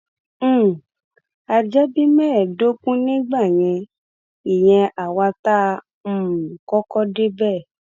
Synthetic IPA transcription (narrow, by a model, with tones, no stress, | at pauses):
a˧d͡ʒɛ˦bi˦mɛ̃˦ɛ˨do˦kũ˦nĩ˦ɡ͡ba˦˨j̃ɛ̃˧ | i˨j̃ɛ̃˧ʔa˨wa˧ta˦˧ | m̩˦˨kɔ˦kɔ˦de˦bɛ˦˨